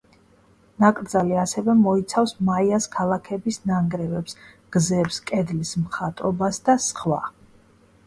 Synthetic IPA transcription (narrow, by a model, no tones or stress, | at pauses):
nakʼɾd̪zaliasɛvɛmɔit̪sʰafsmaiaskʰalˠakʰɛbisnaŋɡɾɛvɛpsɡ̥zɛpskʼɛd̪lismχat̪ʼɔbasd̪asχwa̰